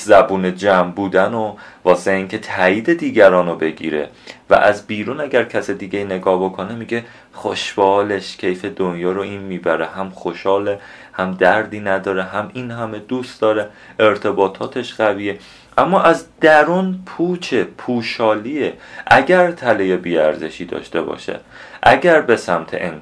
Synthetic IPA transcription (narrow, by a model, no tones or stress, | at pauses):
zæbuːne̞d͡ʒæmbuːd̪ænovɒːseiːcʰe̞t̪ʰæiːd̪e̞d̪iːɟæɾɒːnobe̞ɟḭːɾe̞̰ | væ̰ʔæzbiːɾuːnæɟæɾcʰæsid̪iːɟeine̞ɡɒːhbo̞kʰo̞nemiːɟe̞ | χoʃb̥ɒːleʃcʰe̞jfed̪onjɒːɾoiːnmiːbæɾehæmχoʃɒːle | hæmd̪æɾd̪iːnæd̪ɒːɾeɦæminhæme̞d̪uːst̪d̪ɒːɾe | e̞ɾt̪ʰe̞bɒːt̪ʰɒːt̪ʰe̞ʃɢæviːe | ʔæmːɒːʔæzd̪̥æɾunpʰuːt͡ʃʰepʰuːʃɒːliːeʔæɟæɾt̪ʰælejebiːæɾze̞ʃiːd̪ɒ̰ːʃt̪e̞bɒ̰ːʃḛ | ʔæɟæɾbe̞sæmt̪ʰḛʔen